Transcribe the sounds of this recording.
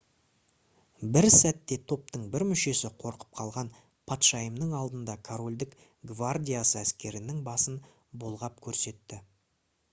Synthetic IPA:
bɪɾsæt̪ːe̞t̪ʰo̞p̚t̪əɴbɪɾmʏʃe̞sɪqʰo̞ɾqə̥p̚qʰɑlˠʁɑn | pʰat̪ʃɑjəmnəɴɑlˠd̪ənd̪ɑkʰoɾo̞lʲd̪ɪk | ɡvard̪ʲijasəæskʲe̞ɾɪnɪŋbɑsən | bolˠʁɑp̚kʲʰɵɾse̞t̪ːɪ

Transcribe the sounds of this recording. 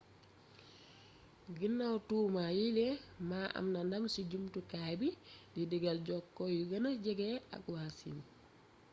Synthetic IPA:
ɡinːawtuːmajilɛmaːʔa̰mnandamsiɟumtukabididiɡalɟɔkːɔjuɡɐnaɟɛɡɛa̰kwasḭn

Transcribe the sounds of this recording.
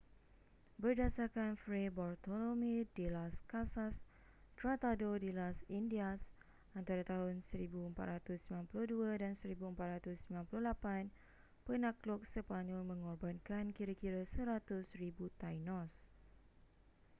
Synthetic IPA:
bərdasakanfɾebɔrt̪olomidilaskasas | t̪ɾat̪adodilasindias | ant̪aɾat̪aɦʊnsəɾibuəmpa̰t̪̚ɾat̪ʊsmilanpuluhduadansəɾibuəmpat̪̚ɾat̪ʊsmilãnpuluhlapan | pənãklɔk̚səpaɲɔlmə̃ŋɔrbankankiɾakiɾasəɾat̪ʊsribut̪ajnɔs

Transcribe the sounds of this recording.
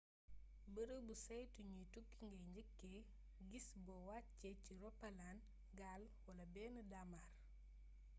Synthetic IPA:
bəɾəbusɐjtuɲutukːiŋɡɐjɲɟəkːɛ | ɡisbɔwatcɛciɾɔpːɐlaːn | ɡaːl | wɐlɐbɛːnədamaːr

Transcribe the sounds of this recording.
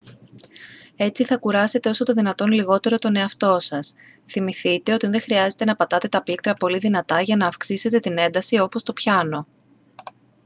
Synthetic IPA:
e̞t͡siθɐkuɾɐse̞t̪e̞o̞so̞t̪o̞ðinɐt̪o̞nliɣo̞t̪e̞ɾo̞t̪o̞ne̞ɐft̪o̞sɐs | θimiθit̪e̞o̞t̪inðe̞xɾiɐze̞t̪e̞nɐpɐt̪ɐt̪e̞t̪ɐplik̚t̪ɾɐpo̞liðinɐt̪ɐʝɐnɐːfksise̞t̪e̞t̪ine̞nd̪ɐsio̞po̞st̪o̞pçɐno̞

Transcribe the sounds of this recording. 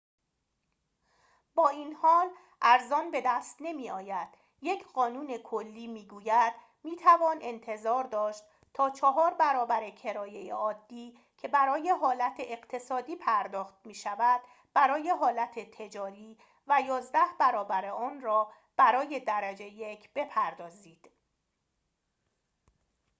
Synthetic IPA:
bɒːiːnhɒːl | ʔæɾzɒːnbe̞d̪æst̪ne̞miːɒːjæd̪̥ | je̞cʰɢɒːnuːne̞kʰolːiːmiːɡuːjæd̪̥ | miːt̪ʰævɒːnʔe̞nt̪ʰe̞zɒːɾd̪ɒːʃt̪ | t̪ʰɒːt͡ʃʰɒɦɒːɾbæɾɒːbæɾe̞cʰe̞ɾɒːje̞jḛɒːd̪ːiː | cʰe̞bæɾɒːje̞ɦɒːlæt̪ʰeʔeɢt̪ʰe̞sɒːd̪iːpʰæɾd̪ɒːxt̪̚miːʃævæd̪̥ | b̥æɾɒːje̞ɦɒːlæt̪ʰe̞t̪ʰe̞d͡ʒɒːɾiː | væjɒːzd̪æhbæɾɒːbæɾe̞ɒːnrɒː | b̥æɾɒːje̞d̪æɾæd͡ʒe̞jecʰb̥e̞pʰæɾd̪ɒːziːd̪̥

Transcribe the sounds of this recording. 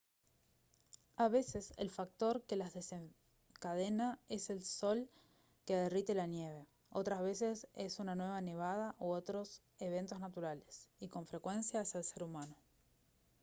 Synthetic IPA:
aβe̞se̞sḛlfak̚t̪o̞ɾke̞lazðe̞seŋ | kað̞e̞nae̞se̞lso̞l | keaðerit̪e̞lanje̞β̞e̞ | o̞t̪ɾazβe̞sese̞sunanwe̞β̞ane̞β̞að̞aʔoot̪ɾo̞s | e̞β̞e̞nt̪o̞znat̪uɾalesiko̞ɱfɾe̞kwe̞nsjaeselse̞ɾumano

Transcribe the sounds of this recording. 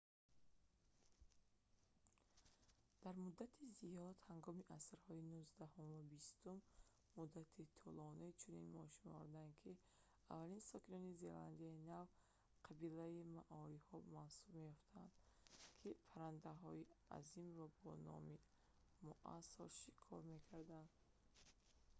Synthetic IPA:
d̪̥aɾmud̪ːat̪ʰizijɔd̪haŋɡɔmiʔasɾhɔinuzd̪ahumvabist̪umː | ud̪ːat̪ʰit̪ʰɔlɔniit͡ʃʰuninmɔ̰ʃinɔɔ̰ɾd̪ankʰi | a̰vːalinsɔkinɔnize̞̰la̰nd̪iainav | qʰabilaimaʔɔɾihɔmansubmejɔft̪ʰand̪kʰipʰaɾand̪aɦɔia̰zimɾɔbɔnɔ̰mi | muʔa̰sɔɾʃi̥kʰɔ̰ɾme̞kʰaɾd̪and̪

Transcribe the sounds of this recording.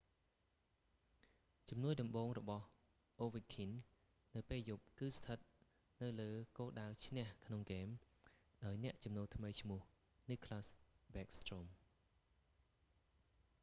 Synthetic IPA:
t͡ɕɑmnuəjɗɑmɓoːŋrɔɓɑh | ʔoːʋikʰin | nɨwpeːljup̚kɨːst̪ʰət̪̚ | nɨwləːkoːlɗaət͡ɕʰnɛ̆əhkʰnoŋkeːm | ɗaɔjnɛ̆əʔt͡ɕɑmnoːlt̪ʰməjt͡ɕʰmʊ̆əh | niːkʰlaːsɓɛːk̚st̪rom

